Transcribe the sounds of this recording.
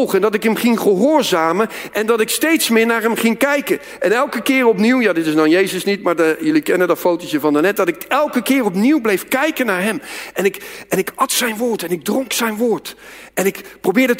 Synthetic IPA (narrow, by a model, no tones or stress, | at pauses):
lˠχəndɑtɪkɦəmχɪŋχəɦʊːɹzaːməʔɛndɑtɪkstejtsmɪːɹnaːɹɦɛmχɪŋkɛjkə | ʔɛnɛlˠkəkɪːrɔpniwjaːdɪtɪsnɔnjejzəsnitmaːɹdəjɵlikɛnədɑtfowtoəvɑndənɛt̚dɑtɪkɛlˠkəkɪːɹɔpniwblejfkɛjkənaːɹɦɛmʔɛnɪkɛnɪkɑtsɛjnʋʊːɹtɛnɪɡ̚drɔŋksɛjnʋʊːɹtɛnɪkprowbɪːɹdət